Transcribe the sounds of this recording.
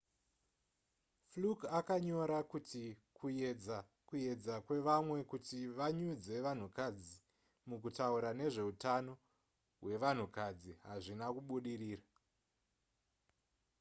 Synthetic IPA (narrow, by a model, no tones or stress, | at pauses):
flukakaɲo̞ɾakutikujed͡za | kuje̞d͡zakwe̞ʋamwe̞kutiʋaɲud͡ze̞ʋan̤ukad͡zi | mukutauɾane̞ʐe̞utano̞ | ɦwe̞ʋan̤ukad͡ziɦaʐinakuɓuɗiriːra